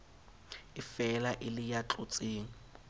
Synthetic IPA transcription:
ɪfɛlaʔɪlɪjat͡ɬʼʊt͡sʼiːŋ̩

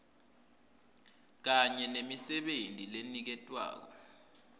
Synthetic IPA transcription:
k̬aɲɛnemisɛɓentʼilenik̬ɛtʼwa̰ːk̬ɔ

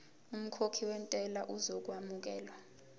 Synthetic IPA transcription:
um̩kʰokʰiwɛntʼɛlaʔuzok̬ʼwamuk̬ɛːlwa

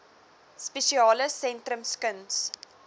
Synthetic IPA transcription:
speʃiɑːləsɛntrəmskəns

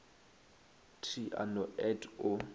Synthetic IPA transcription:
tʰiʔa̰nɔɛtʰʊ

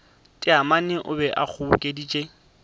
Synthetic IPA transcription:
tʼɪamanɪʔʊbɛʔak͡xʰʊʊkʼedit͡ʃʼe

